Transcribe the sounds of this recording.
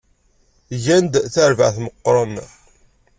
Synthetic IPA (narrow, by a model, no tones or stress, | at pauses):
ʝænd̪θəɾvə̰ʕθməqːɾˤəm